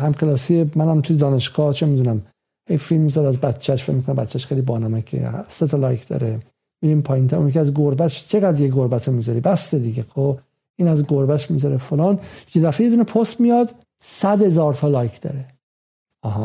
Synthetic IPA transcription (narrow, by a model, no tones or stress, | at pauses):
hæmqelɒːsiemænæmt̪ʰujed̪ɒːne̞ʃɡ̥ɒːht͡ʃʰemid̪unæm | hejfilmːizɒɾæzbæt̪t͡ʃʰːæʃfecmikʰonæmbæt̪t͡ʃʰːæʃxejlibɒːnɒmækʰḛset̪ʰɒlɒjkʰd̪ɒ̰ɾe | miɾimpʰɒːjint̪ʰæɾʔṵnik̬ʰʲiæzɡoɾbæʃt͡ʃʰeɣæd̪ɾjeɡoɾbæt̪ʰɾomizɒɾibæst̪ed̪iɡexʰo | iːnæzɡoɾbæʃmizɒɾefolɒːnjed̪æfejed̪uːnepʰost̪mijɒd̪ | sæd̪he̞zɒːɾt̪ʰɒlɒːjkʰd̪̥ɒ̰ɾe | ɒɦɑ